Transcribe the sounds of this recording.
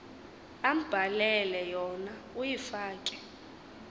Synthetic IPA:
am̩b̥ʱalɛlɛjɔnaujifaːkʼɛ̥

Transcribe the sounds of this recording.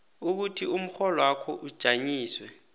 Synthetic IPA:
uk̬utʰium̩xɔlɔwakʰɔʔud̥ʒ̥ʱaɲiːswɛ

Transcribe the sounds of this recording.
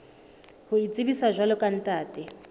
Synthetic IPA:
huit͡sʼiβisaʒwalɔkʼan̩tʼaːtʼɛ

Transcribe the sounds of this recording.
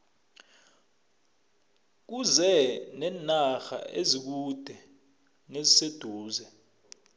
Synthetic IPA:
k̬uzɛnɛnaxa̰ezik̬ud̥ʱɛ | nezised̥ʱuːzɛ

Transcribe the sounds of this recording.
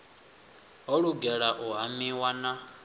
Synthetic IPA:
ɦɔɺuɡɛɺaʔuɦamiwana

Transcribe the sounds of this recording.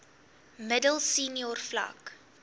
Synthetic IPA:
mədəlˠsiːniɔrfla̰k

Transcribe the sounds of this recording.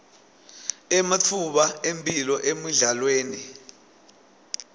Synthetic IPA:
ɛmatʰuɓaembʰʼilɔʔemiɮalweːni

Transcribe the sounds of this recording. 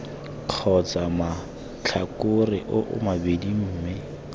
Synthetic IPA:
q͡χʰɔt͡sama | t͡ɬʰakʊrɪʔʊʔʊ̰mabedim̩ːmɪ

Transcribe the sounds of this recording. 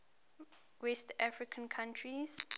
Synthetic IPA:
wɛstafɹikʰə̃nkʰãntʰɹiz̥

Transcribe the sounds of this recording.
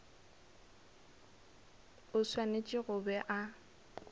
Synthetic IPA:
ʊswanet͡ʃʼɪɣʊbɛʔa

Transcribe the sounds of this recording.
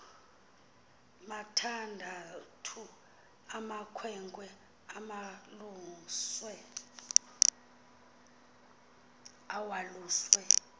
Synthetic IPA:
matʰandʱatʰu | amakʰwɛŋkʼwɛ | amaluswɛ | awaluːswɛ

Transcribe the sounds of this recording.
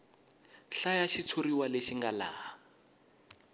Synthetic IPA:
ɬajaʃit͡sʰoriwaleʃiŋɡalaː

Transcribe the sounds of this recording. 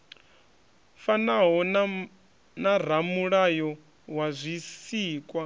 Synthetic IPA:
fanaɦɔ | nar̤amuɺajɔ | wazʷisiːkʼwa

